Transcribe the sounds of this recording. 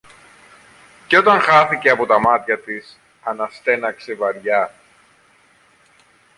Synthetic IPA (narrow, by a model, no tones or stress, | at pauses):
ceo̞t̪ɐŋxɐθice̞ɐpo̞t̪ɐmɐt̪çɐt̪is | ɐnɐst̪e̞nɐksevɐɾʝɐ